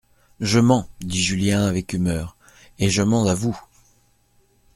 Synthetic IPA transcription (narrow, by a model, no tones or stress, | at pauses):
ʒəmɑ̃d̪iʒyljɛ̃avɛkymœːʁ | eʒəmɑ̃zavu